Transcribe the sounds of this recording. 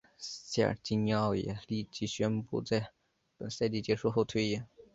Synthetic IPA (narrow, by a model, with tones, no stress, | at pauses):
ɕja̰˥˩t͡ɕi˥nɑ˥˩ʊjɛ̰˨˩li˥˩t͡ɕi˧˥˩ɕɥɛ˥npṵ˥˧t͡sa˥˩ɪ | pə˨˩nsa˥˧ɪt̪i˥˩t͡ɕjɛ˧˥ʂu˥˧xo˥˩ʊt̪ʰwe˥ɪjɛ˨˥˩n